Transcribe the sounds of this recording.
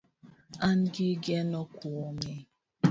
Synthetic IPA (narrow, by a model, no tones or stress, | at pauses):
an̩ɡɪɡenɔkʷuome